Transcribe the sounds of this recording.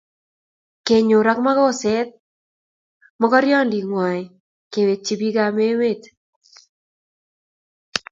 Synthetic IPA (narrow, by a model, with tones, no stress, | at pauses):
ke˨ɲo˨ɾa˦kma˦kɔ˦sɛ˦t̪̚ | mɔ˦kɔ˦ɾjɔ˦ndi˨ŋwa˨ | ke˨we˨t̚t͡ʃi˦bi˦ɡa˨me˦we˦˨t